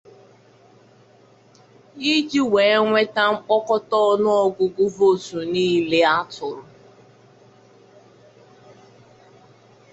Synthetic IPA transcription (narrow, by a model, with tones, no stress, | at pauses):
i˦d͡ʒi˦we˨e˦ŋʷe˦ta˦m̩˦k͡pɔ˦kɔ˦tɔ˦ɔ˦nʊ˦ɔ˦ɡʊ˨ɡʊ˦vo˦˨tu˨niː˦le˦a˦tʊ˨ɾʊ˨